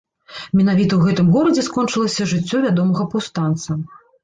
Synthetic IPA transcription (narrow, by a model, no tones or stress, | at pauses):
mʲɛnavʲit̪ɐwɣɛt̪ɨmɣɔɾɐd͡zʲɛskɔnt͡ʂɨlˠɐsʲɐʐɨt͡sʲːɔvʲad̪ɔmɐɣɐpawst̪ant̪sɐ